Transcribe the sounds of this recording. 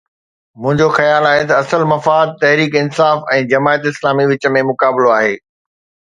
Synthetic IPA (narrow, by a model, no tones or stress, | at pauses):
mʊ̃ɦɪ̃ɲd͡ʑoxɐjaːlaːɦet̪ɐɐsəlmɐfaːd̪̚t̪ɐɦɾiːkɪnsaːfɛ̃ːd͡ʑɐmaːjət̪ɪslaːmiʋɪt͡ɕə̆mẽmʊkaːbɪloaːɦeː